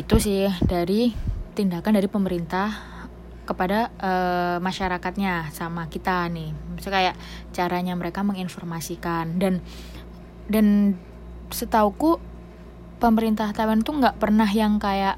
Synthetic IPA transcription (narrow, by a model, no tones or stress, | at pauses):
it̪usɪhdaɾit̪indakandaɾipəməɾint̪ah | kəpadaʔəmaʃaɾakat̪̚ɲasamakit̪anɪhsakajaʔ | t͡ʃaɾaɲaməɾekaməŋinfɔrmasikandan | dan | sət̪auku | pəməɾint̪aht̪awant̪uŋɡaʔpərnaɦjaŋkajaʔ